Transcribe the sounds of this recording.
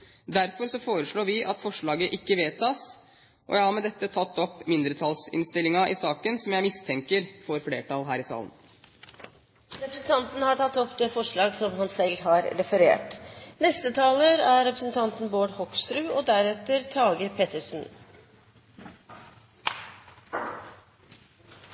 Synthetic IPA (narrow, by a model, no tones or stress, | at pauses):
d̪æɾfɔɾsɔfoːɾəʂɭoːʋɪʔɑt̪fɔʂɭɑːɡəʔɪkːəʋeːt̪ʰɑːs | ʔɔ̰jæɪæhɑɾmɛd̪ɛt̪ːət̪ʰɑt̪ːɔpːmɪnd̪ɾət̪ʰɑlsɪ̰nst̪ɪlɪŋɑʔɪsɑːkənsɔmjæɪmɪst̪ʰɛŋkəɾfɔɾfleːʈɑlɦæːɾɪsɑ̰ːlən | ɾɛpɾəsn̩t̪ɑnt̪n̩hɑʈɑt̪ːɔpd̪eːfɔʂɭɑːɡsɔmhɑnsɛlːhɑːɾɾɛfəɾḛːʈnɛst̪ət̪ʰɑːləɾæɾɛpɾəsn̩t̪ʰɑnt̪n̩boːɖhɔkst̪ɾʉːɔːd̪æɾɛt̪əɾt̪ʰɑːɡəɾpʰeːt̪əʂn̩